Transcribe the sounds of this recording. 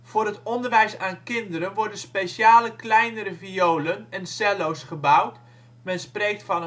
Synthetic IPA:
v̥ʊːrɦətɔndəɹʋɛjsaːnkɪndəɾənʋɔɹdənspejsjaːləklɛjnəɾəviowlənɛnsɛlowsχəbawt | mɛnsprejk̚tfɑnə

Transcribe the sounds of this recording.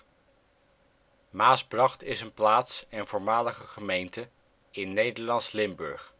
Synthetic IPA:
maːsbrɑχtɪsənplaːtsɛnvʊːɹmaːləχəχəmejntə | ɪnːejdəɹlɑnslɪmbɵ̰ɹχ

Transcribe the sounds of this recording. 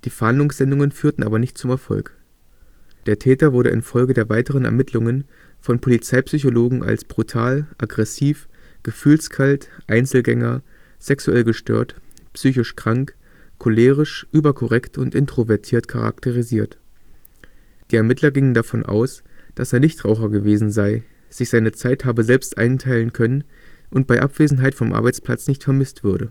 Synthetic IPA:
d̥iːfɛɐhandlʊŋsz̥ɛndʊŋənfyːɐtn̩ʔaːbɐnɪçt̚t͡sʊmɛɐfɔ̰lk | d̥eːɐtʰɛːtɐvʊɐɾə̰ʔɪ̰nfɔlɡədeːɐvaɪtəʁ̞ənɛ̰ɐmɪtʰlʊŋən | fɔnpʰolit͡saɪpsyçoloːɡŋ̩ʔa̰lsb̥ʁutʰaːlʔaɡʁɛsiːfɡ̥əfyːlskʰaltʔaɪnt͡sl̩ɡɛŋɐz̥ɛksuɛlɡəʃtø̰ːɐtpsyːçɪʃkʁ̥aŋk | kʰoleːʁ̞ɪʃʔyːbɐkʰɔʁɛktʰʊntʔɪntʁ̥ovɛɐtʰiːɐtkʰa̰ʁa̰ktəʁiziːɐt | d̥iːɛɐmɪtʰlɐɡɪŋəndafɔnʔa̰ʊsd̥aseːɐnɪçtʁ̥aʊχɐɡəveːzn̩zaɪ | z̥ɪçz̥aɪnət͡saɪthaːbəzɛlpstʔa̰ɪntʰaɪlənkʰœnən | ʔʊnt̚b̥aɪʔapv̥eːzn̩ɦaɪtfɔmʔa̰ɐbaɪt͡spl̥a̰t͡snɪçtfɛɐmɪstv̥ʏɐɾə

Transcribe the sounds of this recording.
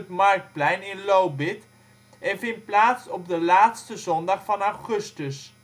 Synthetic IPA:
ətmɑrk̚t̚plɛjnɪnlowbɪt | ɛnfɪnplaːtsɔb̚dəlaːtstəzɔndɑχfɑnawχɵstəs

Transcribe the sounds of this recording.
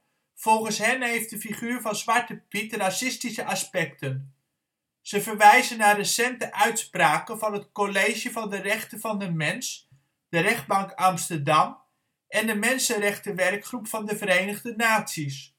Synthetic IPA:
v̥ɔlˠχənsɦɛnɦejft̚dəfiχyːɹvɑnzʋɑɹtəpitrasɪstisəʔɑspɛktən | z̥əvəɹʋɛjzənːaːrəsɛntəʔœɥtspraːkənvɑnɦətkolejʒjəvɑndərɛχtəvɑndəmɛns | d̥əɾɛχd̚bɑŋkɑmstəɹdɑm | ʔɛndəmɛnsənrɛχtəʋɛrkχrupfɑndəvəɾejnəχdənaːtsis

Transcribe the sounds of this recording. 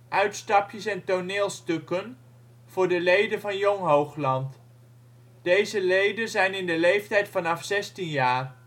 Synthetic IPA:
ʔœɥtstɑpjəsɛntonɪːlˠstɵkən | v̥ʊːɹdəlejdənvɑnjɔŋɦowχlɑnt | d̥ejzəlejdənzɛjnɪndəlejftɛjtfɑnɑfsɛstinjaːr

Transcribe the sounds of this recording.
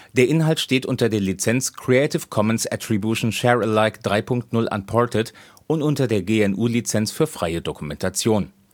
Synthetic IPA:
d̥eːɐʔɪnɦaltʃteːtʔʊntɐdeːɐlit͡sɛnt͡skʁ̥ietɪfkʰɔmənsa̰tʁ̥ibjuʃn̩ʃɛʁəlaɪkd̥ʁaɪpʊŋktnʊlʔa̰npʰɔɐtʰət | ʔʊntʔʊntɐdeːɐɡeːɛnʔuːlit͡sɛnsfyːɐfʁ̥aɪədokumɛntʰat͡sjoːn

